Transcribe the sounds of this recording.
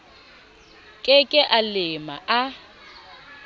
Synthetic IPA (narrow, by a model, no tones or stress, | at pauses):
kʼɪkʼɪʔalɪma̰ʔa